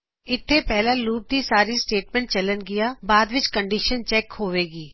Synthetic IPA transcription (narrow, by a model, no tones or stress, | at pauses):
ɪt̪ʰːeːpɛːɦlãːluːp̚d̪iːsaːɾiːsʈeːʈmɛ̃ːɳʈ̚t͡ʃələnɡɪjaːbaːd̪ʋɪt͡ʃkəɳɖiːʃənt͡ʃɛːkhoːʋeːɡiː